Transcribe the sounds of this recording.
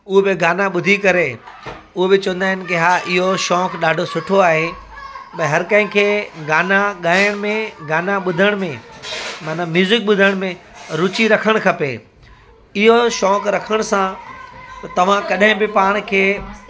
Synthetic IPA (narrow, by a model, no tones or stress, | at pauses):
ʊɦebɪɡaːnaɓʊd̪ʱikɐɾe | ʊɦobɪt͡ɕɐʋə̃nd̪aːɦɪnɪ̆kɪɦaːʔɪɦoʃɔːkɗaːɖʱosʊʈʰoaːɦe | ɓɐ̃ɪɦɐɾkɐ̃ɦɪ̃kʰeːɡaːnaɠaːjəɽ̃mẽɡaːnaɓʊd̪ʱəɽ̃mẽmaːnãmjuːzɪk̚ɓʊd̪ʱəɽ̃mẽɾʊt͡ɕiɾɐkʰəɽ̃kʰɐpḛː | ɪɦoʃɔːkɾɐkʰəɽ̃sãt̪ɐt̪ɐʋ̤ãkɐɗɦɪ̃bɪpaːɽ̃kʰeː